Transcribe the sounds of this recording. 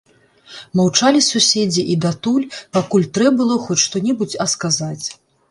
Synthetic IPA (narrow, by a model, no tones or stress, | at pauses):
mawt͡ʂalʲisusʲed͡zʲiʔid̪at̪ulʲpakulʲt̪ɾɛbɨlˠɔxɔt͡sʲʂt̪ɔnʲɛbut͡sʲɐskazat͡sʲ